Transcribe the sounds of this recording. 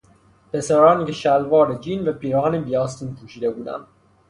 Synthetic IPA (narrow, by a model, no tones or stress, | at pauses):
pʰesæɾɒːniːkʰeʃælvɒːɾed͡ʒinvæpʰiɾɒːnebijɒːst̪iːnpʰuːʃiːd̪ebuːd̪æ̰m